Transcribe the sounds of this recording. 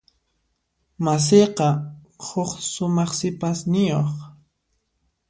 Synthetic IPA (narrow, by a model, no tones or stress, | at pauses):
mas̬eqɑ | hʊχsʊmɑχsɪpasnɪjoχ